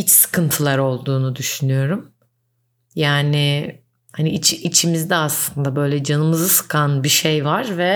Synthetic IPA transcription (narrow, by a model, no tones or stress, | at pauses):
hit͡ʃsɯ̥kʰɯnt̪ʰɯlˠaɾo̞lˠd̪uːnud̪yʃynyjo̞ɾum | jaːnɪ | haniit͡ʃʰiːt͡ʃʰimizd̪ɛaslˠɯnd̪abø̞jlʲɛd͡ʒanɯmɯzɯsɯ̥kʰanbiʃejvaɾvɛ